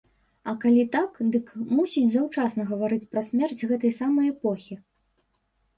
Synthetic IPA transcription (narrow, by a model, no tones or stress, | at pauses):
ɐkalʲit̪akd̪ɨkmusʲit͡sʲzɐwt͡ʂasnɐɣɐvaɾɨt͡sʲpɾɐsʲmʲɛrt͡sʲɣɛt̪ɐjsamɐjɛpɔxʲi